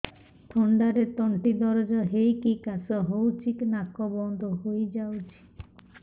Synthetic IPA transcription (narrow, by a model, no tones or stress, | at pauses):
t̪ʰɔɳɖaɾet̪ɔɳʈid̪ɔɾɔd͡ʒɔɦejkikasɔɦowt͡ʃʰiknakːɔbɔnd̪ʱɔɦojd͡ʒawt͡ʃʰi̥